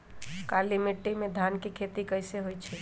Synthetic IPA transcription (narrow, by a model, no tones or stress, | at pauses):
kalimiʈːimed̪ʱankekʰet̪ikəjseɦojt͡ʃʰɛ